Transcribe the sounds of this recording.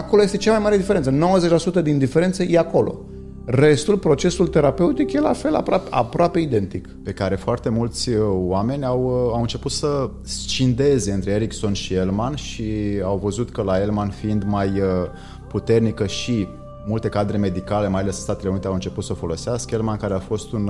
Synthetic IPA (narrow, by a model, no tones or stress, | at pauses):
akolo̞jest̪et͡ʃamajmaɾe̞d̪ifeɾent̪səno̞wəze̞t͡ʃʲlasut̪əd̪ind̪ife̞ɾent̪səjʔeako̞lo̞̰ | re̞st̪ulpɾo̞t͡ʃe̞sult̪e̞ɾape̞ut̪ikje̞la̰fe̞la̰papa̰pɾoape̞id̪e̞nt̪ikpe̞kaɾe̞foart̪e̞mult̪sʲoame̞nʲawawɨnt͡ʃe̞put̪sə | st͡ʃind̪e̞ze̞ɨnt̪ɾeeɾikso̞nʃielmanʃiawvəzut̪kəlae̞lmanfiind̪majə | put̪e̞rnikəʃi | mult̪e̞kad̪ɾe̞me̞d̪ikale̞majale̞sst̪at̪e̞leunit̪eawɨnt͡ʃe̞put̪səfo̞lo̞seaskəelmankaɾeafo̞st̪un